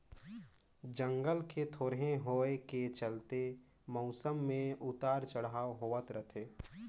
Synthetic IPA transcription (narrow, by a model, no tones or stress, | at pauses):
d͡ʒə̃ŋɡəlket̪ʰoːɾɦẽɦoːeket͡ʃəlt̪e | mɔʊsəmːẽʔʊt̪aːɾt͡ʃəɽaːɦoːʋət̪ɾət̪ʰeː